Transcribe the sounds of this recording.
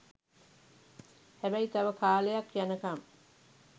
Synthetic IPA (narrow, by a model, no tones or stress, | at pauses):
hæbæit̪ɐʋəkaːlejakːjanəkɐm